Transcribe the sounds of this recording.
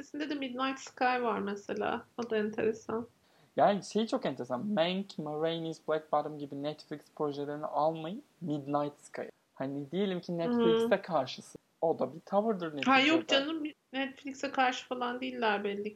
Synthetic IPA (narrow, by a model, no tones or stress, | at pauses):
esind̪ɛd̪ɛmid̪najt̪skʰajvaɾmɛselʲa̰ːod̪aɛnt̪ʰe̞ɾesan | jaːniʃe̞jit͡ʃʰo̞kɛnt̪ʰe̞ɾesanmæŋcmaɾejnizblˠak̚baɾɯmɟibinɛt̪flʲikspɾo̞ʒelʲe̞ɾinḭʔalˠmajɯmid̪najt̪skʰa̰j | hanid̪ije̞lʲimcʰinɛt̪flʲiksɛkʰaɾʃɯsɯ | o̞d̪abit̪ʰavɯɾd̪ɯɾnɛhajok̚d͡ʒanɯ | nɛt̪flʲiksɛkʰaɾʃɯ̥falˠand̪eijilʲːæɾbɛlʲːic